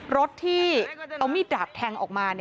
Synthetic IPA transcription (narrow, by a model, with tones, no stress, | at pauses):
ɾo˦˥t̪̚ʰːiː˥˩a˧wmiː˥˩daː˨˩p̚t̪ʰɛː˧ŋʔɔː˨˩k̚maː˧ni˥˩